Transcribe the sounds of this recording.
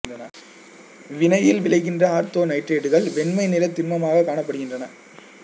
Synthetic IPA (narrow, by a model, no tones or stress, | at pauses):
drɐnɐ̰ | ʋɪnɐjɪlʋɪɭɐɪɣɪndrɐaːɾt̪oːnɐɪʈreːɖɯɣɐɭʋɛnmɐɪnɪɾɐt̪ːɪnmɐmaːɣɐkːaːɳɐpːɐɽɯɣɪndrɐnɐ